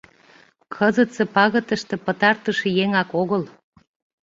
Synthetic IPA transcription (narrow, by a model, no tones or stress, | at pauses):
kʰəzət̪sepɑɣət̪əʃt̪ĕpət̪ɑrt̪əʃĕjeŋɑkoɣəl